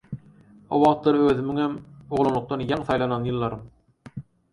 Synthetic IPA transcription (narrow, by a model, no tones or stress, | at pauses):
o̰wɑʁt̪lˠɑɾøðymyŋhemoʁlˠonˠuq̚t̪ɑnjɑŋθɑjlˠɑnɑnjɯlˠːɑɾɯm